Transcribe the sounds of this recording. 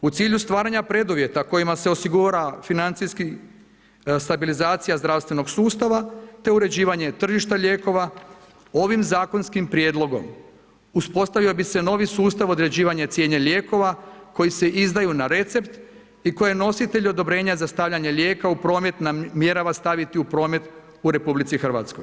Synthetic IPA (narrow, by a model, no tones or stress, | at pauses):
ut̪siːʎust̪ʋaːɾaɲapɾe̞d̪uʋje̞t̪ako̞jimase̞o̞siɡuɾafinant̪siski | st̪abilizaːt̪sijazd̪ɾaʋst̪ʋe̞no̞ɡsuːst̪aʋat̪e̞uɾe̞d͡ʑiːʋaɲe̞t̪r̩ʒiʃt̪aʎe̞ːko̞ʋa | o̞ʋimzaːko̞nskimpɾje̞d̪lˠo̞ɡo̞̰m | uspo̞st̪aʋiobise̞no̞ʋisuːst̪aʋo̞d̪ɾe̞d͡ʑiːʋaɲet̪sje̞ːɲeʎeːko̞ʋako̞jise̞ʔizd̪ajunaɾe̞t̪se̞pt̪ | iko̞jeno̞sit̪e̞ʎo̞d̪o̞bɾe̞ːɲazast̪aʋʎaɲe̞ʎʲe̞ːkaupɾo̞ːme̞t̪namje̞ɾaʋast̪aʋit̪iupɾo̞ːme̞t̪ | uɾe̞publit̪sixr̩ʋa̰t̪sko̞j